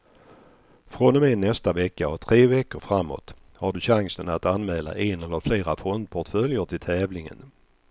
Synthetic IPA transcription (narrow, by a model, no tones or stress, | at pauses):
fɾɔnɔmenːɛst̪avɛkːaɔt̪ʰɾeːvɛkːəɾfɾamːo̰ːt̪ | haɖɵɕaŋsənat̪anmɛːla̰ʔenɛlːəɾfleːɾafɔnd̪̚pʰɔʈfœljəʈʰɪlt̪ʰɛːvlɪŋə̰n